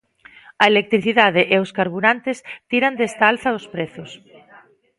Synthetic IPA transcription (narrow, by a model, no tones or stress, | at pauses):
ɐelek̚t̪ɾiθiðaðeʔeʊskaɾβuɾant̪est̪iɾand̪est̪aalθɐðʊspɾeθʊs